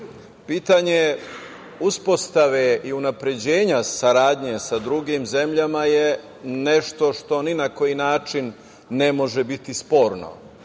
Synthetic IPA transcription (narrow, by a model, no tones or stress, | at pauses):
piːt̪aɲe̞ | uspo̞st̪aʋeiunapɾe̞d͡ʑe̞ːɲasaɾaːd̪ɲe̞sad̪ɾuɡimze̞mʎamaje | ne̞ʃt̪o̞ʃt̪o̞ninako̞jinaːt͡ʃinː | e̞mo̞ʒe̞bit̪ispo̞ːɾno̰